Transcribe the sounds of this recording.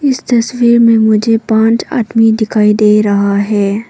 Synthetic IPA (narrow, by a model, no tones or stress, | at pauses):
ɪst̪ɐswiːɾmẽmʊd͡ʒʱepãːt͡ʃa̰ːd̪mid̪ɪkʰaːid̪eːɾɐɦaɦɛː